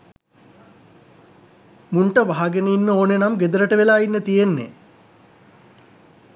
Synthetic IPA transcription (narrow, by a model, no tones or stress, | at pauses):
muɳʈəʋaɦaɡeneinːəoːnenamɡed̪əɾəʈəʋelaːinːət̪ijenːḛ